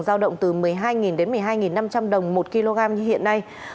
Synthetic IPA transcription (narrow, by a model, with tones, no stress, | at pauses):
zaː˧wɗə̰˧˨wŋ͡mt̪ɨ˨˩mɨ˨˩əjɦaː˧jŋi˨˩nɗe˨˦nmɨ˨˩əjɦaː˧jŋi˨˩nːa˧mt͡ɕa˧mɗə˨˩wŋ͡mmo˨˩t̚ki˧lo˧ɣaː˧mɲɨ˧hḭ˧˨ənːa˧j